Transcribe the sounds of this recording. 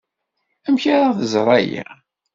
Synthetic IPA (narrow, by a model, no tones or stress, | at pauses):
æmçaɾaθəzˤɾˤɑja̰